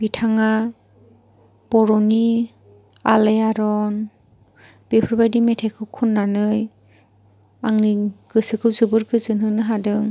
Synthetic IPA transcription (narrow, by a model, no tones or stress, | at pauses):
b̥itʰaŋa | b̥ɔɾɔni | alejaɾɔn | b̥epʰɯɾbajdimetʰekʰɯwkʰunːanɯj | aŋniɡ̥ɯsɯkʰɯwzɯbɯɾkʰɯzɯnɦɯnɯɦadɯŋ